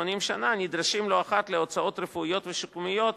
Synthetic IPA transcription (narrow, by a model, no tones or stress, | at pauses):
onimʃananid̪ɾaʃimlo̞aχat̪leot͡sao̞t̪ɾefuijo̞t̪veʃukumijo̞t̪